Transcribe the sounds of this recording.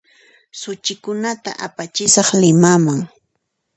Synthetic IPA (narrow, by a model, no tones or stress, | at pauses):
sʊt͡ʃɪkʊnat̪a̰ʔapat͡ʃɪsɑχlɪmamaŋ